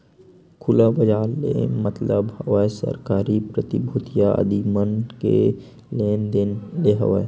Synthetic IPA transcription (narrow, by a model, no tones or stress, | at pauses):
kʰʊlabəd͡ʒaːllḛmət̪ləbhəʋəsə̰ɾkaːɾipɾət̪ibʱut̪jaə̰d̪imənkḛ | leːnd̪ɪnleɦə̰ʋə̰e